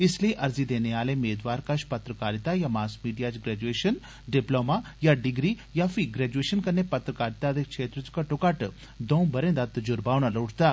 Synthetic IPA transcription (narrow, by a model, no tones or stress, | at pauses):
ɪsliiʔɐɾzid̪eːneaːlemeːd̪ʋaːɾkɐʃpɐt̪ɾəkaːɾɪt̪ajamaːskmiːɖijat͡ʃɡɾɛːd͡ʒueːʃən | ɖɪploːmajaɖɪɡɾi | jaːfʰiɡɾɛːd͡ʒueːʃənkɐnːepɐt̪ɾəkaːɾɪt̪ad̪ekʃʰeːt̪ɾət͡ʃkɐʈokɐʈ | d̪õːũbɐɾẽnd̪at̪d͡ʒʊɾbaːʋɽ̃aloːʈʰt̪aː